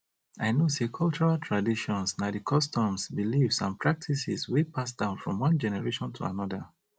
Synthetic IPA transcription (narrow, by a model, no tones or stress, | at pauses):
aɪnosekʰɔlˠt͡ʃɔɹaltʰɹadiʃɔ̃nsnadikʰɔstɔ̃msbilivsãnpʰɹak̚tʰisḭswipʰasdãʊ̃nfɹɔ̰̃mwʌ̃nd͡ʒɛnɛɹeʃɔ̃ntʰṵa̰nɔdə